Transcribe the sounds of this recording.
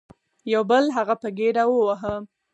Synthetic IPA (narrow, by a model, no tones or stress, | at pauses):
jawbəlɦaɣapəɡeɖawəwaɦə